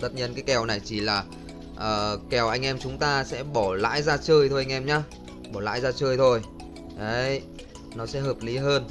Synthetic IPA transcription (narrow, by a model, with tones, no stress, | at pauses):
t̪ə˦˥t̚ɲi˧ənkaː˨˦jkɛ˨˩wna˨˩jt͡ɕi˧˩laː˨˩ | ʔəː˨˩kɛ˨˩wʔa˧jŋ̟ʔɛ˧mt͡ɕʊ˨˦ŋ͡mt̪aː˧sɛ̰˧˥ɓɔ˧˩la̰ː˧˥jzaː˧t͡ɕəː˧jt̪ʰo˧jʔa˧ŋ̟ʔɛ˧mɲaː˨˧˥ | ɓɔ˧˩la̰ː˧˥jzaː˧t͡ɕəː˧jt̪ʰo˧j | ʔə˨˦˨j | nɔ˨˦sɛ̰˧˥ɦəː˨˩p̚li˨˦ɦəː˧n